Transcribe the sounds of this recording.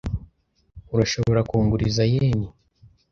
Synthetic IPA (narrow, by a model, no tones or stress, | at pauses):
uɾaʃo̞βo̞ɾakuːŋɡuɾizajeːni